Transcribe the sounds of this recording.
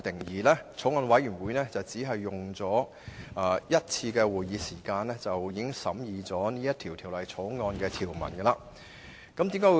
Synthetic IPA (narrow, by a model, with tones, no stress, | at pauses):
t̪ɪ˨˩ŋjiː˨lɛː˥t͡sʰo˨˥wŋɔː˧nwɐ˨˥jyː˨˩nwuː˨˥jnɛ˥t͡sɐ˨wt͡siː˨˥ɦɐ˨jːʊ˨ŋt͡sɔː˨˥ | aː˨˧jɐ˥t̚t͡sʰiː˧kɛː˧wuː˨jiː˨˧siː˨˩kaː˧nlɛː˥t͡sɐ˨wjiː˨˥ɡɪ˥ŋsɐ˨˥mjiː˨t͡sɔː˨˥niː˥jɐ˥t̪̚ʰiː˨˩wt̪ʰiː˨˩wlɐ˨jt͡sʰo˨˥wŋɔː˧nkɛː˧t̪ʰiː˨˩wmɐ̰˨˩nɡɛ˧laː˧ | kɐ˨˥mt̪iː˨˥mkaː˨˥w